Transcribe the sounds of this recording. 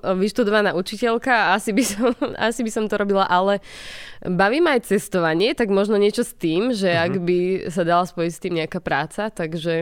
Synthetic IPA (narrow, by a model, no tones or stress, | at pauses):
ʋiʃt̪ud̪ɔʋanaːut͡ʃicɛlkaasibisɔma̰sibisɔmt̪ɔɾɔbilaʔalɛ | baʋiːmaːjt͡sɛst̪ɔʋaɲɪɛt̪aɡmɔʒnɔɲɪɛt͡ʃɔst̪iːmʒɛaɡbisad̪alaspɔjicst̪iːmɲɛakapɾaːt͡sat̪aɡʒɛ